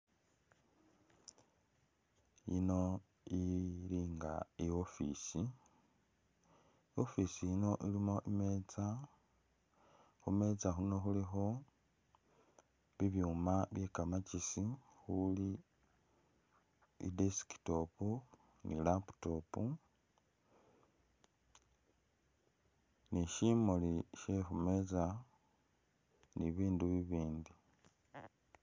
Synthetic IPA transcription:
ḭno̞ | iliŋɡaio̞fḭsi | io̞fisijino̞ʔilimo̞ʔimet͡sa | xume̞t͡saxuno̞xulixo̞ | βiβjuːmaβje̞kamacisi | xuli | ḭdesi̥ki̥to̞pu | nilapu̥to̞ːpu | niʃimoliʃexume̞t͡sa | niβiːnduβiβiːndi

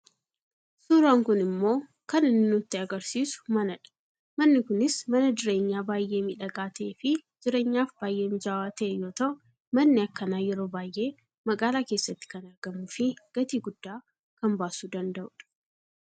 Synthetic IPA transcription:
suːɾaːŋkʊnɪmːo̞ː | kɐnɪnːʊt̪ːɪɐɡɐɾsiːsʊ̥mɐnɐᶑɐ̥ | mɐnːɪkʊnɪsmɐnɐd͡ʒ̪ɪɾe̞ːɲːaːbaːjʔe̞ːmɪᶑɐɡaːt̪ɐʔefɪd͡ʒɪɾe̞ːɲːaːfbaːjʔe̞ːmɪd͡ʒaːwaːt̪ɐʔɛjo̞ːt̪ɐʔʊ | mɐnːɪɐkːɐnaːjɛɾo̞ːbaːjʔːe̞ː | mɐɡaːlaːke̞ːsːɐt̪ːɪ̥kɐnɐɾɡɐmʊfɪɡ̥ɐt̪iːɡʊd̪̥ːaː | kɐmbaːsuːd̪ɐnd̪ɐʔʊᶑɐ̥

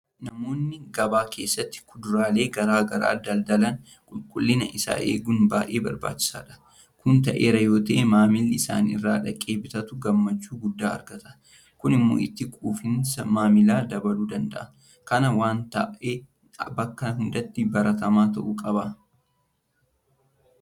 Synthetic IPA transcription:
nɐmo̞ːnːɪɡɐbaːkʰe̞ːsːɐt̪ːɪ̥kʊd̪ʊɾaːle̞ːɡɐɾaːɡɐɾa̰ːd̪ɐld̪ɐlɐn | kʼʊlkʼʊlːɪnɐ̰ʔɪsa̰ːʔḛːɡʊnbaːʔe̞̰ːbɐɾba̰ːt͡ʃːɪ̥sa̰ːᶑɐ̥ | kʊnt̪ɐʔeːɾɐjo̞ːt̪ɐʔeːmaːmɪlːɪsa̰ːnɪrːaːᶑɐkʼeːbɪt̪ɐt̪ʊɡɐmːɐt͡ʃːuːɡʊd̪ːaːɐ̰ɾɡɐt̪ɐ̥ | kʊnɪmːo̰ːɪt̪ːɪkʼuːfɪnsɐmaːmɪlaːd̪ɐbɐluːd̪ɐnd̪ɐ̰ʔɐ | kɐnɐwaːnt̪ɐ̰ʔeː | bɐkːɐɦʊnd̪ɐt̪ːɪbɐɾɐt̪ɐmaːt̪ɐʔuːkʼɐbɐ

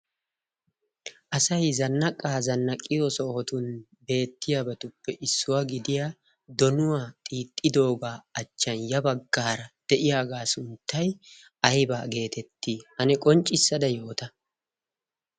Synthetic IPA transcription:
ʔɐsɐjzɐnːɐkʼːaːzɐnːɐkʼːɪjoːsɔɔt̪ʊn | be̞ːt̪ːɪjabɐt̪ʊpːɛʔɪsːʊwaɡɪd̪ɪjaː | d̪ɔnʊwaːt̪ʼiːt̪ʼːɪd̪o̞ːɡaːɐt͡ʃːɐnjɐbɐɡːaːɾɐd̪̥ɛʔɪjaːɡaːsʊnt̪ːɐj | ɐjbaːɡe̞ːt̪ɛt̪ːiːhɐnɛkʼɔnt͡ʃʼːɪsːɐd̪ɐjo̞ːt̪ɐ

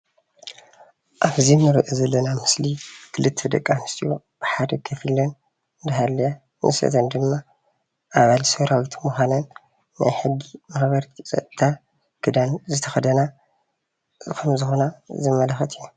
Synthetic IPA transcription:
ʔaβzimnɨɾɨʔɨzɐlːɐnamɨslikʰɨlɨt̪ʰːed̪ɐkʼːanɨst̪ʰʼijo | b̥ɨħad̪ɐkʰɐfɨlɐn | d̪ɐɦalːɐja | nʔɨ̰sɐ̰t̪ʰɐnd̪ɨmːa | ʔaβalsɐβɾawit̪ʰmuxʷanɐnː | a̰jħɨɡːimaħbɐɾt̪ʰit͡sʼɐ̰t̪ʼt̪ʰa | kʰɨd̪anzɨt̪ʰɐxɐd̪ɐna | kʰɐmzɨxo̞nazɐmːɐlɐxɐt̪ʰina

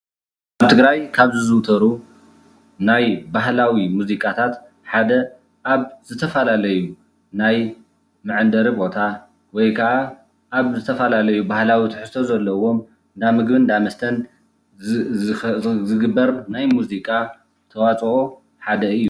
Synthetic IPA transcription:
ʔaβt̪ʰɨɡɾajkʰaβzizɨwt̪ʰɐɾu | najbaɦlawimuzikʼat̪ʰat̪ | ħad̪ɐ | ʔaβzɨt̪ʰɐfɐlalɐju | naj | mɨʕɨnd̪ɐɾibo̞t̪ʰa | wɔjkʰɐʔa | ʔːβzɨt̪ʰɐfɐlalɐjubahlawit̪ʰɨħɨst̪ʰo̞zɐlːɐwo̞m | d̪amɨɡbɨnd̪amɐst̪ʰɐn | zɨɡɨbːɐɾnajmuzikʼa | t̪ʰɐwat͡sʼo | ħad̪ɐɨjːu

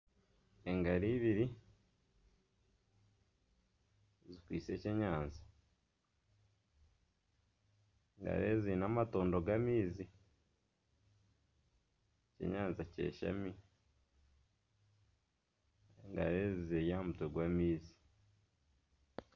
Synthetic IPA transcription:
eŋɡaɾiːβiɾi | zikwiːt͡se̞ceɲaːnza | ŋɡa̰ɾezinamatoːndo̞ɡamiːzi | cḛɲaːnzace̞̰ʃa̰mi | eŋɡa̰ɾezizejaːmutweɡwamiːzi̥

